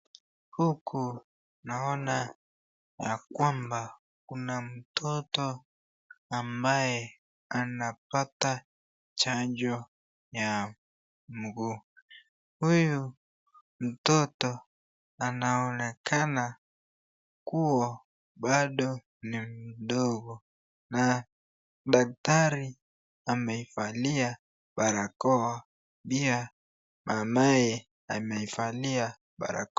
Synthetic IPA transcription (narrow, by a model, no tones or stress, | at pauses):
hukʰu | naɔna | jakwamba | kunam̩tʰɔtɔ | ambajɛ | anapata | t͡ʃaɲd͡ʒɔ | ja | m̩ɡuː | huju | m̩tɔtɔ | anaɔnɛkʰana | kuɔ | ɓaɗɔ | nim̩ɗɔɡɔ | na | ɗak̚taɾi | amɛifalia | ɓaɾakɔwa | pia | mʔamajɛ | amɛifalia | ɓa̰ɾa̰k